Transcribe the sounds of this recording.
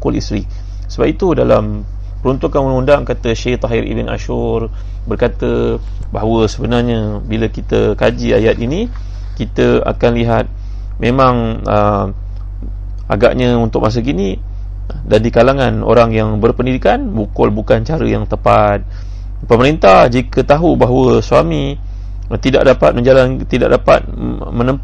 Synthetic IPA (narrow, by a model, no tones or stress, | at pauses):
kʊlḭst̪ɾi | səbap̚it̪udalam | pəɾunt̪ukanənundaŋkat̪əʃeht̪aɦiɾʔḭbɪna̰ʃʊr | bərkat̪ə | baɦawəsəbənarɲəbiləkit̪əkad͡ʒiajat̪ini | kit̪əa̰kanliɦat̪̚ | mẽmãŋə | a̰ɡa̰ʔɲaunt̪ʊk̚mas̬əɡini | dandikalaŋano̰ɾaŋjaŋbərpəndidikanbukʊlbukant͡ʃaɾəjaŋt̪əpat̪̚ | pəməɾint̪ahd͡ʒikət̪aɦubaɦwəsuami | t̪ida̰ʔdapat̪̚mə̃ɲd͡ʒalant̪ida̰ʔ̚dapa̰t̪̚ | mə̃nəmp